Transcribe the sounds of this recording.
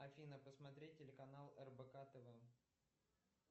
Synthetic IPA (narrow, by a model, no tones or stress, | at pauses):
ɐfʲinəpəsmɐt̪ɾʲet̚ʲːɪlʲɪkɐnalˠɛrbəkat̪əvɛ